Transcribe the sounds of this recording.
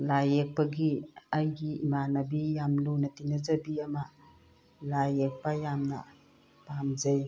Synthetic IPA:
lajek̚pɐɡiajɡiimanɐbijamlunɐt̪inɐzɐbiɐma | lajek̚pajamnɐ̰ | pamzej

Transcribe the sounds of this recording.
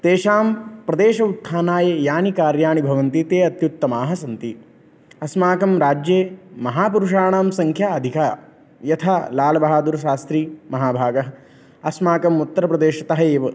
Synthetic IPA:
t̪eːʃaːmpɾɐd̪eːʃɐut̪ʰːaːnaːjɐjaːnikaːɾjaːɳibʱɐʋɐnt̪it̪eːɐt̪jut̪ːɐmaːɦɐsɐnt̪i | ɐsmaːkɐmɾaːd͡ʒjeːmɐɦaːpuɾuʂaːɳaːmsɐŋkʰjaːɐd̪ʱikaː | jɐt̪ʰaːlaːlɐbʱɐɦaːd̪uɾɐʃaːst̪ɾiːmɐɦaːbʱaːɡɐɦɐ | ɐsmaːkɐmut̪ːɐɾɐpɾɐd̪eːʃɐt̪ɐɦɐeːʋɐ

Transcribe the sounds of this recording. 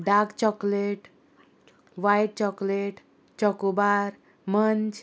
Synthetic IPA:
ɖakt͡ɕɔkleʈ | ʋajʈ̚t͡ɕɔkleʈ | t͡ɕɔkubaɾ | mənt͡ɕ

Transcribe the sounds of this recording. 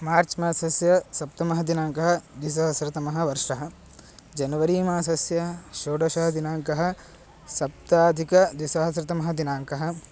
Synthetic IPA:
maːɾt͡ʃmaːsɐsjɐsɐp̚t̪ɐmɐɦɐd̪inaːŋkɐɦɐd̪ʋis̬ɐɦɐsɾɐt̪ɐmɐɦɐ̆ʋɐɾʂɐɦɐ̆ | d͡ʒɐnɐʋɐɾiːmaːsɐsjɐʃoːɖɐʃɐɦɐd̪inaːŋkɐɦɐ̆ | sɐp̚t̪aːd̪ʱikɐd̪ʋisɐɦɐsɾɐt̪ɐmɐɦɐ̆d̪inaːŋkɐɦɐ̆

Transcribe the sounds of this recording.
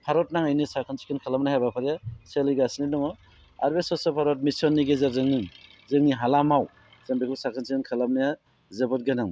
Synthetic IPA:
pʰaɾɔtnaŋajnisakʰɯnsi̥kʰinkʰalamnaɦabapʰaɾjaselɯjɡasninɔŋɔ | a̰ɾbesɔsɔpʰaɾɔt̚misɔnːiɡezaɾzɯŋniŋzɯŋniɦalamaw | z̥ambikʰɯsakʰɯnsikʰinkʰalamnaja | zɯbɔt̚ɡenaŋ

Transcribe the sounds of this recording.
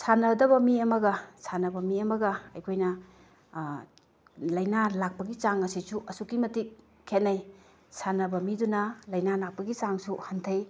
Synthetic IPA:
sanɐdɐβɐmiɐmɐɡɐsʰanɐbɐmiɐmɐɡɐɐjkʰojnɐ | lɐjnalak̚pɐɡit͡ʃaŋɐsisuʔɐsukːimɐtik̚ | kʰet̚naj | sʰanɐbɐmidunɐlɐjnalak̚pɐɡit͡ʃaŋsuhantʰɐj

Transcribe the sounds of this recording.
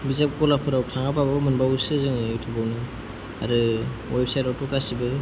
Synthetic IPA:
bizap̚kɔlapʰɯɾawtʰaŋababɯmɯnbawsɯzɯŋetʰubawnɯ | a̰ɾɯwejp̚sajtawtɔkasibɯ

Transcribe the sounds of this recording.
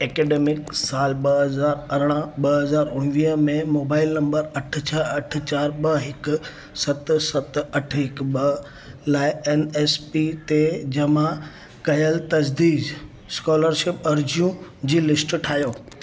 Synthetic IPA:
eːkeːɖeːmɪksaːlɓɐɦɐzaːɾɐɾɽ̃əɓɐɦɐzaːɾʊɽ̃ɪʋiːɦmẽmoːbaːɪlnɐ̃mbəɾɐʈ̆ʰt͡ɕʰɐɐʈ̆ʰt͡ɕaːɾɓɐɦɪk | sɐt̪sɐt̪ɐʈʰɦɪkɓɐ | laːɪeːneːspit̪ed͡ʑɐmã | kɐjəlt̪ɐd͡ʑd̪iːd͡ʑ | skɔːləɾʃɪpɐɾd͡ʑijũd͡ʑiːlɪsʈʈʰaːɦijoː

